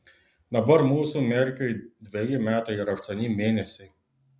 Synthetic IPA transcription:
d̪ɐbɐɾmuːsuːmʲeːɾʲɪkʲojd̪ʲʋʲejɪmʲæːt̪ɐɪɾɐʃt̪ɐnʲimʲeːnʲɛsʲɛ

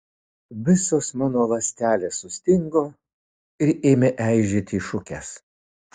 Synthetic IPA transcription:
ʋʲɪsoːsmɑːnoːʋɐsʲt̪ʲæːlʲeːsʊsʲt̪ʲɪŋɡoː | ɪɾeːmʲɛʔæɪʒʲɪt̪ʲiːʃʊkʲɛs

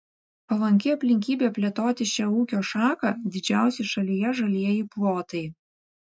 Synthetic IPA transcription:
pɐlˠɐŋʲkʲɪɐpʲlʲɪŋʲkʲiːbʲeːpʲlʲiɛt̪oːt̪ʲɪʃʲɛuːkʲoːʃɑːkɐd̪ʲɪd͡ʒʲæˑʊsʲeʃɐlʲijɛʒɐlʲiɛjiplˠoːt̪ɐɪ

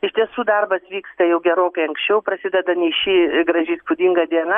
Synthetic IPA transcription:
ɪʃʲt̪ʲiɛsuːd̪ɐrbɐsʋʲiːkst̪ɐjɛʊɡʲɛɾoːkɐɪɐŋksʲt͡ʃʲɛʊprɐsʲɪd̪ʲɛd̪ɐnʲɛɪʃʲiɡɾɐʒʲɪispʊd̪ʲiŋɡɐd̪ʲiɛnɐ

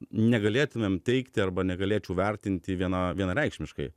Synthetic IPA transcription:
nʲɛɡɐlʲeːt̪ʊmʲeːmt̪ʲɛɪkt̪ʲɪɐrbɐnʲɛɡɐlʲeːt͡ʃʲɛʊʋʲɛrʲt̪ʲɪnʲt̪ʲɪʋʲiɛnɐʋʲiɛnɐɾʲɛɪkʃʲmʲɪʃkɐɪ

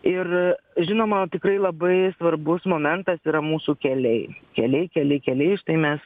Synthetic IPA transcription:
ɪrʒʲɪnoːmɐt̪ʲɪkɾɐɪlˠɐbɐɪsʋɐrbʊsmoːmʲɛnt̪ɐsiːɾɐmuːsukʲɛlʲɛɪkʲɛlʲɛɪkʲɛlʲɛɪkʲɛlʲɛɪʃt̪ɐɪmʲɛs

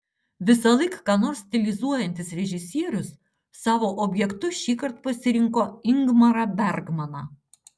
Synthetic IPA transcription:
ʋʲɪsɐlˠɐɪkkɑːnoːɾsʲt̪ʲɪlʲɪzuɔjɛnʲt̪ʲɪsɾʲɛʒʲɪsʲiɛɾʲʊsː | ɑːʋoːʔoːbʲjɛkt̪ʊʃʲiːkɐɾt̪pɐsʲɪɾʲɪŋkoːɪŋɡmɐɾɐbʲɛɾɡmɐnɑː

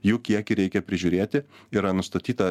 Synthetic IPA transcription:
juːkʲiɛkʲiɾʲɛɪkʲɛpʲɾʲɪʒʲuːɾʲeːt̪ʲɪiːɾɐnʊst̪ɐt̪ʲiːt̪ɐ

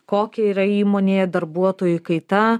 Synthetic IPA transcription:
koːkʲɛiːɾɐiːmoːnʲeːɛd̪ɐɾbuɔt̪oːjʊkɐɪt̪ɐ

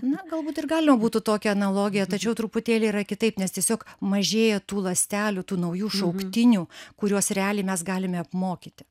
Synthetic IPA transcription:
nʊɡɐlˠbuːt̪ɪrɡɑːlʲɪmɐbuːt̪ʊt̪oːkʲɛɐnɐlˠoːɡʲɪjɛt̪ɐt͡ʃʲɛʊt̪ɾʊpʊt̪ʲeːlʲeiːɾɐkʲɪt̪ɐɪpnʲɛst̪ʲiɛsʲoːkmɐʒʲeːjɛt̪uːlˠɐsʲt̪ʲæːlʲʊt̪uːnɐʊjuːʃɐʊkt̪ʲɪnʲuːkʊɾʲuɔsɾʲɛɑːlʲiːmʲɛsɡɑːlʲɪmʲɛɐpmoːkʲit̪ʲɪ

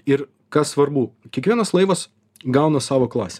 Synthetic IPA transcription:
ɪɾ | kɐssʋɐɾbuːkʲiɛkʋʲiɛnɐslˠɐɪʋɐs | ɡɐʊnɐsɑːʋoːklˠɑːsʲe

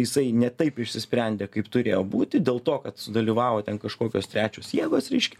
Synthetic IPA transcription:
jɪsɐɪnʲɛt̪ɐɪpɪʃʲsʲɪsʲpʲɾʲɛnʲd̪ʲeːkɐɪpt̪ʊɾʲeːjoːbuːt̪ʲɪd̪ʲeːlˠt̪oːkɐt̪sʊd̪ɐlʲiːʋɑːʋoːt̪ʲɛnkɐʃkoːkʲoːst̪ɾʲæːt͡ʃʲuːsjiɛɡoːsɾʲɛɪʃʲkʲɛ

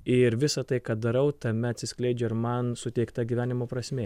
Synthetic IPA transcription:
ɪɾʋʲɪsɐt̪ɐɪkɐt̪̚d̪ɐɾɐʊt̪ɐmʲɛɐt̪sʲɪsʲklʲɛɪd͡ʒʲɛɪɾmɐnsʊt̪ʲɛɪkt̪ɐɡʲiʋʲæːnʲɪmoːpɾɐsʲmʲeː

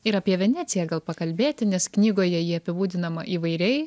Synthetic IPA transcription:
ɪɾɐpʲiɛʋʲɛnʲæːt̪sʲɪjæːɡɐlˠpɐkɐlʲbʲeːt̪ʲɪnʲɛsknʲiːɡoːjɛjiːɐpʲɪbuːd̪ʲɪnɐmɐʔiːʋɐɪɾʲɛɪ

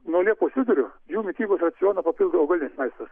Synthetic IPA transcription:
nuɔlʲiɛpoːsʲɪd̪ʊɾʲʊjuːmʲɪt̪ʲiːbosrɐt̪sʲɪjoːnɐpɐpʲɪlˠd̪ɐoɡɐlʲɪnʲesmɐɪst̪ɐs

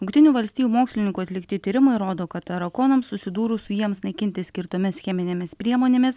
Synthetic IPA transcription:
ʊŋkt̪ʲɪnʲuːʋɐlʲsʲt̪ʲiːjuːmoːksʲlʲɪnʲɪŋkuɐt̪ʲlʲɪkt̪ʲɪt̪ʲiːɾʲɪmɐɪɾoːd̪oːkɐt̪ɐɾɐkoːnɐmsʊsʲɪd̪uːɾusʊjiɛmsnɐɪkʲɪnʲt̪ʲɪsʲkʲɪɾt̪oːmʲɪsxʲɛmʲɪnʲemʲɪspʲɾʲiɛmoːnʲeːmʲɪs

